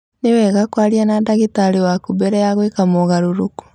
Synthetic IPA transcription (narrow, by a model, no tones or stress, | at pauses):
newɛɣakwaɾianadaɣitaɾewakubɛɾɛjaɣwekamoɣaɾoɾoku̥